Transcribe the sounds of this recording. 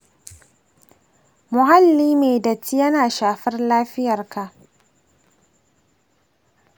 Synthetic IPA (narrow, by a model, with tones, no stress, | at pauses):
mʊ˨ɦa˦lːiː˦meː˨dɐ˨t͡ʃi˦jɐ˦naː˨ʃaː˨ɸɐ˦rlaː˦ɸɪ˦jɐ˨rka˨ʔ